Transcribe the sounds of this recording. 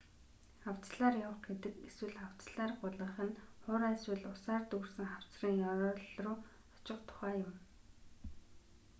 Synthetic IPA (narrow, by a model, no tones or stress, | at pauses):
aw̥t͡sɮaːrjawə̆χɡet̪ɘ̆keswɘ̆ɮχaw̥t͡sɮaːrɢʊɮə̆ːχə̆nχʊɾaswɘ̆ɮʊsaːrt̪ursɘ̆ŋχaw̥t͡sriːŋjɔɾɔːɮrʊː | ɔ̥t͡ɕɪ̆qt̪ʰʊ̥χæːjʊm